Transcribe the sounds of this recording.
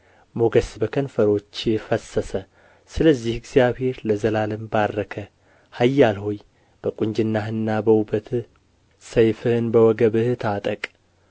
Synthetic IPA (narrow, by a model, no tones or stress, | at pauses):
moɡəsbəkʰənfəɾo̞t͡ʃːɪfəsːəsə | sɨləzːihɪɡz̥ijaβhe̞ɾləzəlalɨmbaɾːəkʰə | hajːalho̞j | b̥əkʼʊɲd͡ʒɪnːaɦɨnːabəwubət̪ʰ | səjfɨhɨnbəwɔɡəβɨht̪ʰat̪ʼəkʼ